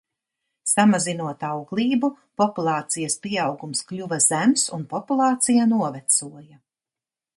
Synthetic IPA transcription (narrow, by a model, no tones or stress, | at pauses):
samazinuɔt̪awɡlˠiːbu | pɔpulˠɑːt̪sijɐspiɛawɡumsklʲuvaz̥æmsunpɔpulˠɑːt̪sijanuɔvɛt̪suɔja